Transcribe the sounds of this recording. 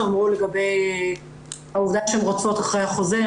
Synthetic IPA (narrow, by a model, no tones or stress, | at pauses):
amʁuleɡabe̞j | hauvd̪aʃehemʁot͡so̞t̪aχʁejhaχo̞ze